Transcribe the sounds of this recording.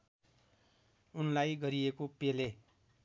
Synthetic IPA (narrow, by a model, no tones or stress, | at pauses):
unlajɡʌɾiekopele